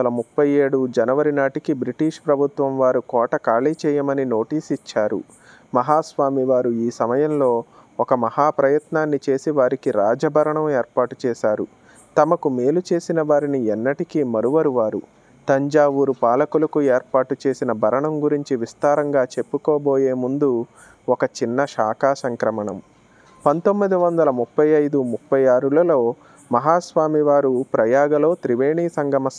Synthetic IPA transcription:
ɐlɐmupːɐje̞ːɽud͡ʒɐnɐʋɐɾinaːʈikibɾiʈiːʂpɾɐbʱut̪ʋɐmʋaːɾukɔːʈɐkaːɭiːt͡ʃɛːjɐmɐnino̞ːʈiːsit͡ʃːaːɾṵ | mɐɦaːsʋaːmiʋaːɾuiːsɐmɐjɐmlo̞ː | ɔkɐmɐhaːpɾɐjɐt̪naːnːit͡ʃe̞ːsiʋaːɾikiɾaːd͡ʒɐbʱɐɾɐɳɐmeːɾpaːʈu̥t͡ʃɛːʃaːɾu | t̪ɐmɐkume̞ːlut͡ʃe̞ːsinɐʋaːɾiniɛnːɐʈikimɐɾuʋɐɾuʋaːɾu | t̪ɐɲd͡ʒaːʋuɾupaːlɐkulɐkueːɾpaːʈut͡ʃe̞ːsinɐbʱɐɾɐɳɐmɡuɾiɲt͡ʃiʋist̪aːɾɐŋɡaːt͡ʃe̞pːukɔːboːjeːmund̪u | ɔkɐt͡ʃinːɐʃaːkaːsɐŋkɾɐmɐɳɐ̰m | pɐnt̪o̞mːid̪iʋɐnd̪ɐlɐmupːɐjɐjd̪umupːɐjaːɾulɐlo̞ː | mɐɦaːsʋaːmiʋaːɾupɾɐjaːɡɐlo̞ːt̪ɾiʋe̞ːɳiːsɐŋɡɐmɐs

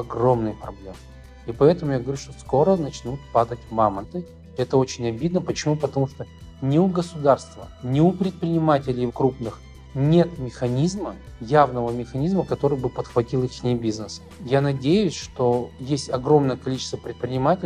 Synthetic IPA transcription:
ɐɡro̞mnɨjpɾɐ̰blʲe̞mɨ | ipɐɛt̪əmʊjaɡəvɐɾʲuʂt̪o̞sko̞ɾənɐt͡ɕnut̪̚pad̪ətʲmamənt̪ɨ | ɛt̪əot͡ɕɪnʲɐbʲid̪nəpət͡ɕɪmupət̪ɐmuʂt̪o | nʲɪʊɡəsʊd̪arst̪və̰nʲɪʊpɾʲɪt̪̚pɾʲɪnʲɪmatʲɪlʲɪjkɾupnɨx | nʲe̞t̪mʲɪxɐnʲizmə | javnəvəmʲɪxɐnʲizməkɐt̪o̞ɾɨjbɨpət̪xvɐtʲilˠɪnʲembʲiznəs | janɐdʲejʊsʲʂt̪o̞jesʲtʲɐɡɾo̞mnəjəkɐlʲit͡ɕɪ̥st̪vəpɾʲɪt̪̚pɾʲɪnʲɪmatʲɪ

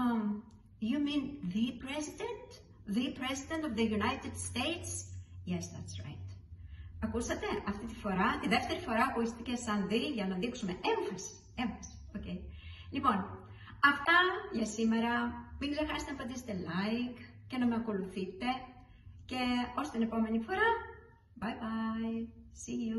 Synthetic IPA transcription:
ʝuminðipɾezid̪ent̪ | ðipɾezid̪ent̪ovðeʝunajt̪ed̪st̪ejt̪sjɛsðɐt̪sɹa̰jt̪ | ɐkusɐt̪e̞ʔɐft̪it̪i̥fo̞ɾɐt̪iðe̞ft̪e̞ɾifo̞ɾɐːkoist̪icesɐnðiʝɐnɐðiksume̞ʔeɱfɐsi̥ | e̞ɱfɐsi̥ocejlipo̞n | ɐft̪ɐʝɐsime̞ɾɐmileɾxɐse̥t̪eefɐnd̪ise̥t̪e̞lɐjk | ce̞nɐme̞ɐko̞luθit̪e̞ | ce̞o̞st̪ine̞po̞me̞nifo̞ɾɐ | bajbɐjsiu

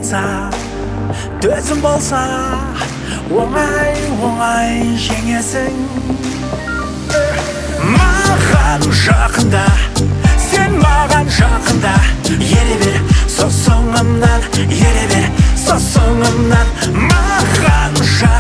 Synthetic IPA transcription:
sɑ | t̪ʰɵzɪmbo̞lˠsɑ | wonɑjwoʁɑjʒe̞ŋe̞sɪŋ | mɑʁɑnʒɑqənd̪ɑ | se̞nmɑʁɑnʒɑqənd̪ɑjeɾebesosoɴəmnɑnjeɾebesosoɴəmnɑn | mɑʁɑnʒɑ

